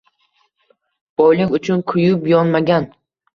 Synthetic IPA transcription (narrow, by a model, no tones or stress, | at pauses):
b̥ɒjlɪŋʊt͡ʃʰʊnkʰʊjʊpjɒnmaɡʲan